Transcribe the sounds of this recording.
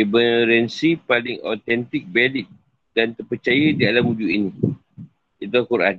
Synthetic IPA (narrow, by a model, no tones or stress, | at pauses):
ibəɾɛnsipalɪŋʔo̰t̪ɛnt̪ɪk̚bɛlɪt̪̚ | d̥ant̪ərpət͡ʃajədialamud͡ʒuinĩ | it̪uakuɾa̰n